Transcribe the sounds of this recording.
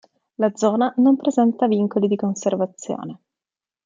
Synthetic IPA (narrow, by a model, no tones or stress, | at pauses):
lad̪zːɔːnanompɾezɛnt̪aviŋkolid̪ikonservat̪sːjo̰ːne